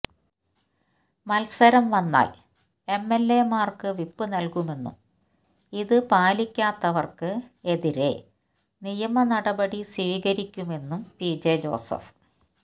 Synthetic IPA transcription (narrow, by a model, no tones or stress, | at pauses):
mɐlsɐɾɐmʋɐnːa̰ːl | e̞mːe̞lːe̞maːrkɨʋipːɨnɐlkume̞nːṵm | iðɨpaːlikʲːaːt̪ːɐʋɐrkɨe̞ðiɾe̞̰ | nijɐmɐnɐɽɐbɐɽisʋiːɣɐɾikʲːume̞nːumpiːd͡ʑed͡ʑo̞̰ːsɐ̰f